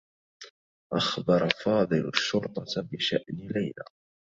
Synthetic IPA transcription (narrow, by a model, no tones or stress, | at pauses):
ʔɑxbɑɾˤɑfɑːd̪ˤɨlaʃːʊɾt̪ˤɑbɪʃaʔnɪlajla̰